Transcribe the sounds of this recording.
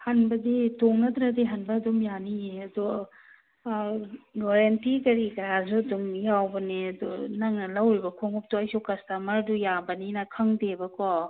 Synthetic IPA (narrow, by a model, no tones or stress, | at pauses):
hɐnbɐditoŋnɐd̪ɾadiɦɐnbɐːdumjanijeɐd̪u | ɡoɾentikɐɾikɐɾazuɐdumjawbɐniɐdunɐŋnɐlɐwɾibɐkʰoŋup̚tuɐjsukɐstamɐɾdujabɐninɐkʰɐŋdebɐkɔ